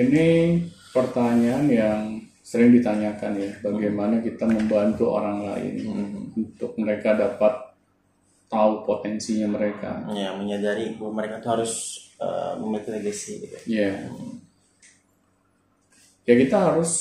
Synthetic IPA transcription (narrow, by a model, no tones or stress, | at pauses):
ini | pərt̪aɲaːnjaŋ | səɾɪŋdit̪aɲakanjabaɡajmanakit̪aməmbant̪uo̰ɾaŋla̰ɪ̰nunt̪ʊk̚məɾekadapat̪ː | aupot̪ɛnsiɲaməɾeka̰jaməɲadaɾiməɾekat̪uhaɾʊsə̰məmilkinəɡəsiɡit̪uja | jakit̪aɦaɾʊs